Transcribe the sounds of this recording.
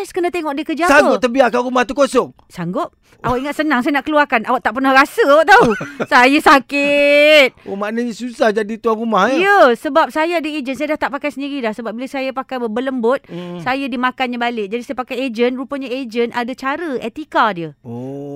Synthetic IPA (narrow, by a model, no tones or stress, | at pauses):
skənat̪eŋɔʔdiəkərd͡ʒasaŋəɡʊt̪ːəbiakaɾumaht̪ukosɔŋ | saŋɡʊp̚ | ʔawaʔkiŋat̪̚sənaŋsajanaʔkəluarkanawaʔt̪aʔpərnahɾasəawaʔt̪ausajasakɪt̪̚omaʔnaɲasusahd͡ʒadit̪uarumahijəsəbap̚sajaadəed͡ʒəns̬ajadaht̪aʔpakajsəndiɾidahsəbap̚biləsajapakajbəbələmbʊt̪̚sajadimakanɲabalɪk̚d͡ʒadisajapakajed͡ʒənrupəɲaed͡ʒənʔadat͡ʃaɾəḛt̪ikadiəo